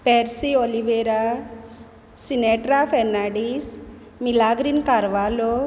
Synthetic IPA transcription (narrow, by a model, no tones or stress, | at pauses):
peɾsioliʋeːɾa | sineːʈɾapʰeɾnaːɖis | milaːɡɾinkaɾʋaːloː